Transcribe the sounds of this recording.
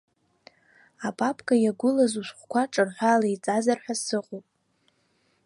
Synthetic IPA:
apʼapʰʼkʼajaɡʷʊlazuʃʷχʷkʷaʈ͡ʂʼɨrħʷᶣaːlait͡sʼazarħʷᶣasɨqʼopʼ

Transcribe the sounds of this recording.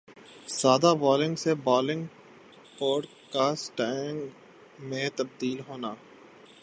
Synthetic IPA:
saːd̪abɔːlɪ̃ŋɡsebɔːlɪ̃ŋɡ | ɔːɖ | kaːsʈɛːŋɡ | mẽt̪ɐb̚d̪iːlɦoːnaː

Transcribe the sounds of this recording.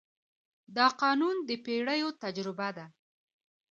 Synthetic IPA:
d̪ɑqɑnund̪əpeɽəjot̪ad͡ʒɾɪbad̪a

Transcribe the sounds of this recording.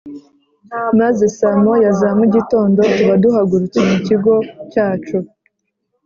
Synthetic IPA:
mazesamojazamuɟito̞ːndo̞tuβaduhaɡuɾut͡semuciɡocaːt͡ʃu

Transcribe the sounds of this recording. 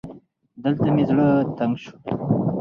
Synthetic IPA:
d̪əlt̪amezɽət̪aŋɡʃu̥

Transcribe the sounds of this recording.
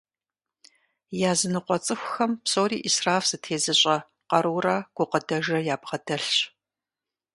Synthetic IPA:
jaːzɨnɨqʷɔt͡sʼɨxʷxɐmpsoːriːʔisraːfsɨtʰeːzɨɕʼɐ | qɐɾuːrɐɡ̥ʷʊqədɐʒɐjaːbʁɐdɐɬɕ

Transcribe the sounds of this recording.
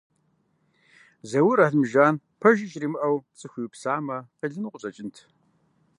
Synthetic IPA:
zɐwʊɾaθmʒaːn | pʰɐʒɪt͡ʃʼrimɨʔɐwt͡sʼɨxʷiwpsaːmɐqəɮɨnqʷʊɕʼɐt͡ʃʼɪntʰ

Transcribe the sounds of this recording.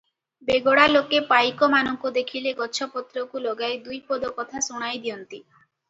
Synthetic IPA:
beɡoɽalokepajkɔmanɔŋkud̪ekʰileɡɔt͡ʃʰɔpɔt̪ɾɔkulɔɡajd̪ujpɔd̪ɔkɔt̪ʰasuɽ̃ajd̪iɔnt̪i

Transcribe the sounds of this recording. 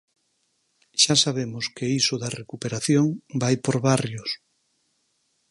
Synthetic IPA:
ʃasaβemʊskeisʊðɐrekupeɾaθjoŋbajpoɾβarjos

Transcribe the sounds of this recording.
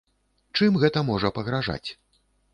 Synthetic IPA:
t͡ʂɨmɣɛt̪ɐmɔʐɐpɐɣɾaʐa̰t͡sʲ

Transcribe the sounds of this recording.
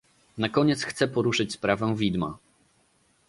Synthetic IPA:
nakɔɲɛt̪sxt̪sɛpɔɾuʂɘt͡ɕspɾavɛvʲid̪ma̰

